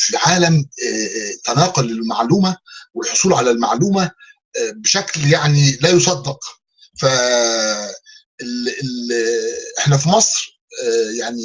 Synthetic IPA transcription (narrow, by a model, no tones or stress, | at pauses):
filʕaːlæm | t̪ːænɑːqolɪlmaʕluːmæwelħosˤuːlʕalælma̰ʕluːmæ | beʃækljaʕnilæːjosˤɑd̪ːɑq | fæ | ele | ʔeħnæfimɑsˤɾ | jaʕni